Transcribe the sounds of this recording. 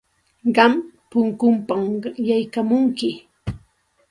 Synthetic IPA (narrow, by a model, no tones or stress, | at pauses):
ɢɑmpʊŋkʊmpamjajkamʊŋkɪ